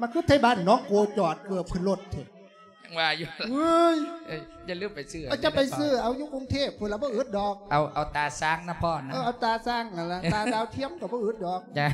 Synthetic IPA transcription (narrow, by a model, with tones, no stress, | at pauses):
ma˧˩kʰɯ˧˥t̪ʰːa˧˦baː˧˩n˨nɔː˨˧˥ko˧˩t͡ɕɔː˨˩t̪̚mɯ˧əpʰɯ˧˩nlo˧˩t̪̚t̪ʰe˨˩ | a˧˩ŋwaː˧˩ju˧ɨ˧j | t͡ɕa˧lɯ˧˩əmpa˨jsɯː˧˩˨a˧˩t͡ɕa˧˦pa˨jsɯː˧˩ʔa˨˧wjuː˧˥˦ko˧ŋt̪ʰeː˧˥˩p̚ʰːla˧˩bɔː˧˦ʔɯː˧˥ət̪̚dɔː˨˧˩k̚ʔa˧wʔa˨˧˩wt̪aː˨˩saː˧˩ŋna˧pʰɔː˧˩na˧ʔaː˧˩ʔa˧wt̪aː˧saː˧˩ŋa˨˩la˧aː˧˨˧daː˧wt̪ʰi˧˥əmkɔ˧˩bɔː˧˦ʔɯ˧˦ə˦t̚dɔː˨˩k̚t͡ɕa˧